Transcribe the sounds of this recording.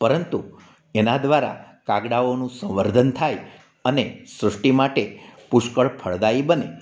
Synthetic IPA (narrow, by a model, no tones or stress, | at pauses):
pəɾənt̪u | enad̪ʋaɾa̰ | kaɡɽaonũsə̃ʋəɾd̪ʱənt̪ʰaj | ənesɾəʂʈimaʈepʊʃkəɭpʰəɭd̪aibəne